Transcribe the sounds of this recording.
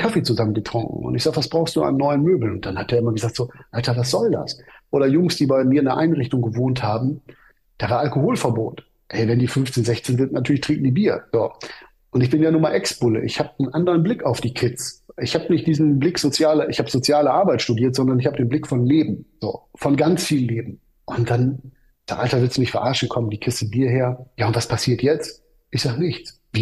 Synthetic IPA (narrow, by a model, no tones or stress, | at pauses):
kʰafet͡suzamənɡətʁ̥ʊŋkŋ̩ʊ̰ntɪçz̥aːχtvasb̥ʁaʊxstd̥ṵːa̰nːɔʏənmøːbl̩nʊnt̚d̥anhat̚eːɐɪmɐɡəzaːk̚tz̥oːʔaltɐvas̬z̥ɔlda̰sʔoːɾɐjʊŋsd̥iːbaɪmiːɐɪndɐʔaɪnʁɪçtʊŋɡəvoːnthaːbm̩ | d̥aːvaːɐʔalkohoːlfɛɐboːt | ʔɛɪvɛndiːfʏnft͡seːnzɛçt͡seːnzɪntnatʰyːɐlɪçtʰʁ̥iːk̚ŋ̩diːbiːɐz̥oː | ʔʊntɪçb̥ɪnjaːnuːɐmaːʔɛksb̥ʊlə̰ʔɪ̰çhaːbnʔandəʁənblɪkaʊfd̥iːkʰɪtsʔɪçhaːbənɪçt̚d̥iːzn̩blɪkz̥ot͡sjaːlɐʔɪ̰çhaːbəz̥ot͡sjaːləʔaɐbaɪtʃtudiːɐtz̥ɔndɐnɪçhaːbədeːnblɪkfɔnleːbm̩z̥o̰ːfɔnɡant͡sfiːln̩leːbm̩ | ʔʊntd̥an | z̥aʔaltɐvɪɐtstnɪçtfɛɐʔaɐʃn̩kʰɔməndiːkʰɪstəbiːɐɦeːɐjaːʊntv̥aspʰasiːɐtjɛt͡st | ʔɪçz̥aːɡənɪçt͡s | vi